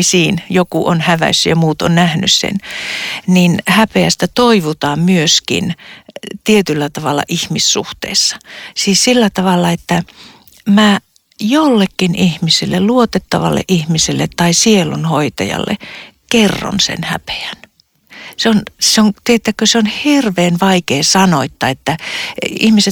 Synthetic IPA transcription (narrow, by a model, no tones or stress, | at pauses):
siːnjokuʔonhæʋæ̰sːyjɑmuːt̪o̰nnæhny̰ssḛn | ninhæpeæst̪æt̪oiʋut̪ɑːmmyøskḭn | t̪iet̪ylːæt̪ɑʋɑlːɑ̰ʔihmisːṵht̪ḛːsːɑ̥siːssilːæt̪ɑʋɑlːɑet̪ːæ | mæː | jolːekːinihmisilːelluot̪et̪ːɑʋɑ̰lːḛʔihmisilːet̪tɑisielunhoit̪ɑ̰jɑ̰lːḛkerːo̰nsḛnhæ̰pe̥æn | seonseoŋt̪iet̪ːækøseonhirʋeːnʋɑikeːsɑnoit̪ːɑet̪ːæḭhmise